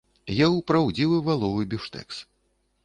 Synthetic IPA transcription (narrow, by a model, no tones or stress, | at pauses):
jawpɾawd͡zʲiwɨvalˠɔvɨbʲiʂt̪ɛ̰ks